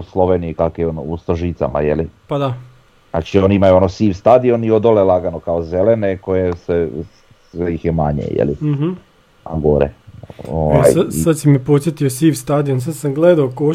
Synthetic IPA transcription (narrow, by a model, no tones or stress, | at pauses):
slˠo̞ʋeniikakojeonoust̪ɾoʒit̪sa̰ma̰jelipad̪a | na̰t͡ʃioniimajuonosiːʋst̪ad̪ioniod̪olelˠaɡanokaozeleneko̞jese | sʋejixjema̰ɲḛjḛlḭɦ̩ | a̰ɡoɾḛoʋa̰jasad̪simepo̞t̪sjet̪iosiːʋst̪ad̪ions̬ad̪samɡlˠed̪aoko